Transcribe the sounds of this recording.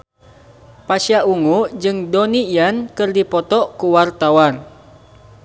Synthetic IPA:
pasiaʔuŋud͡ʒɨŋdoniijankɨrdipɔt̪ɔʔkuwart̪awan

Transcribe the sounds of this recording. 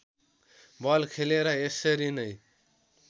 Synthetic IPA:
bʌlkʰeleɾʌesʌɾinʌj

